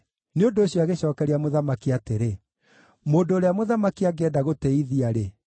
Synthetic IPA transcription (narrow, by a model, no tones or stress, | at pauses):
neondoːɕjɔaɣeɕɔːkɛɾeamoðamakiateɾe | moːndoːɾeamoðamakiaɡeɛdaɣotɛiðiaɾe